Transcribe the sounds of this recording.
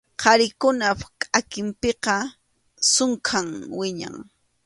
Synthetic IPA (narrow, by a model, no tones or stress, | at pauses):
qʰɑɾɪkʊnapkʼakɪmpeqɑ | sʊŋkʰaŋwɪɲa̰ŋ